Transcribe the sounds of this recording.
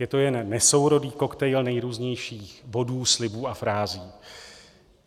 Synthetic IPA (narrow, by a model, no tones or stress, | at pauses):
jɛt̪o̞jɛnːɛso̞wɾo̞diːko̞kt̪ɛjlnɛjɾuːzɲɛjʃiːxbo̞duːslɪbuːafɾaːziː